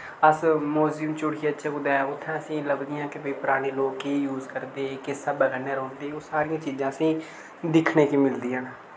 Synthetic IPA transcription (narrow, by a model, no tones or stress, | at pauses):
əsmoːzəmt͡ʃʊɽiːətːʃʰaːkʊd̪ɛːʊt̪ʰːãːəsĩːləɡd̪ɪjãːkɪbiːpʊɾaːɽ̃iːloːkːeːjuːzkəɾd̪eːkɪsəbəɡəneːɾõːnd̪eːosaːɾɪjãːt͡ʃiːzãːəsĩː | d̪ɪkʰneːkiːmɪld̪iːãːnaː